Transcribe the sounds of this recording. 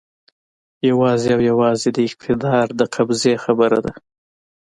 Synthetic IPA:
jawɑzeawjawɑzed̪əɪq̚t̪ʰɪd̪ɑɾd̪əqʰabzexabəɾa̰d̪a

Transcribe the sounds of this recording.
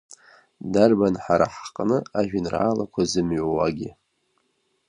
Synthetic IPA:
darbanħaɾaħqʼnɨaʒᶣʊnra̰ːlakʷʰazɨmɥwaɡʲɪ

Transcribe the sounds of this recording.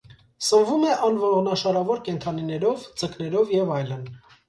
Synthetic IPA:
səmvumɛʔɑnvɔɾɔʁnɑʃɑɾɑvɔɾkɛnt̪ʰɑninɛɾɔvd͡zəknɛɾɔvjɛvɑjlən

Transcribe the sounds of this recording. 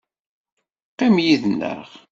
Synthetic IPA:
qimjiðnə̰ʁ

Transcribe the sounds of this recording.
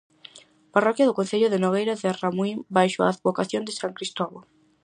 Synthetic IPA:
parɔkjɐðʊkonθeʎʊðenoɣ̞ejɾaðɪramwimbajʃoa̰aðβokaθjond̪ɪsaŋkɾist̪ɔβo

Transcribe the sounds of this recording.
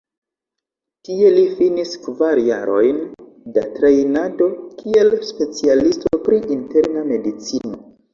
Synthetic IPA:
kie̞lifiniskvaɾjaɾo̞jn | da̰tɾe̞jnado̞kʰie̞lspe̞t͡sialistopɾiʔinte̞ɾname̞dit͡sino̞

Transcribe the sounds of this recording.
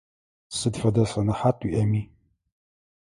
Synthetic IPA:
sɨdfɐdɐsɐnɐħatʼwiʔɐmiː

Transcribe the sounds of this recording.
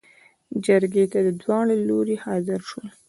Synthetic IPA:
d͡ʒaɾɡet̪ad̪əd̪wɑɳeloɾehɑzɪɾʃwəl

